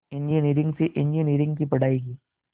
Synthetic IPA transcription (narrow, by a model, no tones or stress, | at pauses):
ɛ̃ɲd͡ʒiniːɾɪ̃ŋɡseʔɪ̃ɲd͡ʒiniːɾɪ̃ŋɡkipɐɽ̤aːiɡiː